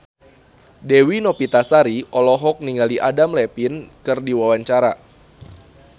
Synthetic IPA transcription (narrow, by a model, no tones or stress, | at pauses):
dewinɔpit̪asaɾiʔɔlɔɦɔk̚niŋɡaliʔadamlɛpinkɨrdiwawaɲt͡ʃaɾa